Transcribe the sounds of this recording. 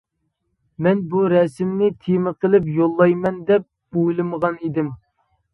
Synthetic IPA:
mɛnbuɾɛsɪmnɪt̪ʰemɨqʰəlɪpjolˠːɑjmɛnd̪ɛp̚ | ojlˠɨməʁɑnid̪ɪm

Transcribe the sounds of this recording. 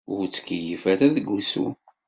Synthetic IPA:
ʊɾt͡sːə̥kəjəfaɾaðəɡːusṵ

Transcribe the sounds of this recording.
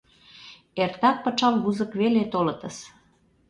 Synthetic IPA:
ert̪ɑk̚pɤ̆t͡ʃɑmβuzə̆kβelet̪olɤ̆t̪əs

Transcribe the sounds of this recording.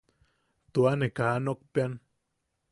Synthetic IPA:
t̪uanekanok̚pjan

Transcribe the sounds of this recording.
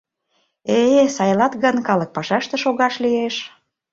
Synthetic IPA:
esɑjlɑt̪ɣənkɑlɤ̆k̚pɑʃɑʃt̪ĕʃoɣɑʃlieʃ

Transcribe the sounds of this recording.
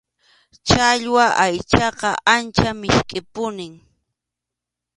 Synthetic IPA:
t͡ʃaʎwaʔajt͡ʃɑqɑʔant͡ʃamɪʃkʼɪpʊnɪŋ

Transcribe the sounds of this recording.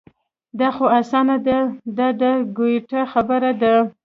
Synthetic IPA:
d̪ɑxoasɑnad̪ad̪ɑd̪əɡojʈaxabəɾad̪a

